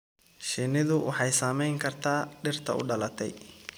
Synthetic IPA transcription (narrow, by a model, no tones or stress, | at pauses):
ʃɪnɪðʊwʔɑ̰ħɑjsamɛjŋkʰɐrt̪ʰaːɖɪrt̪ʰɐ̰ʊ̰ɖɐlɐt̪ʰɛ̰j